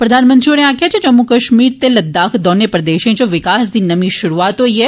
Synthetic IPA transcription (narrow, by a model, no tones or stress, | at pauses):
pɾɐd̪ʱaːnmə̃nt̪ɾioːnẽãːkʰjat͡ʃʰẽd͡ʒɐmːukɐʃmiːɾt̪elɐd̪ːaːkʰd̪ɔːnepɾɐd̪eːʃẽt͡ʃoʋɪkaːsd̪inɐmĩʃʊɾuaːt̪ɦoie